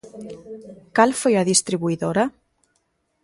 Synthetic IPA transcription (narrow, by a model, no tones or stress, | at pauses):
kalfojaðist̪ɾiβuiðoɾa